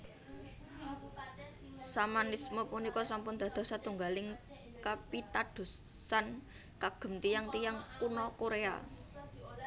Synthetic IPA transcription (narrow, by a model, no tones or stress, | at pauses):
samanismɔpunikɔsampʊnd̪̥a̤d̪̥ɔ̤sat̪uŋɡalɪŋ | kapit̪ad̥o̤ | san | kaɡ̥ə̤mt̪ijaŋt̪ijaŋkunɔkoɾea̰